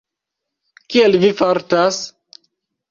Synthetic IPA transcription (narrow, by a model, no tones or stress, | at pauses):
kielvifaɾtas